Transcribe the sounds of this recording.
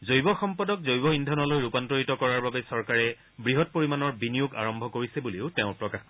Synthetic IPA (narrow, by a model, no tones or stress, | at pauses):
zojbɔxɔmpɔdɔk̚zojbɔindʱɔnɔlojɹupantoɹitɔkɔɹaɹbabɛsɔɹkaɹɛ | bɹiɦɔt̚poɹimanɔɹbinijʊɡa̰ɹɔmbʱɔkoɹisɛbuleʊtɛʊ̃pɹɔkax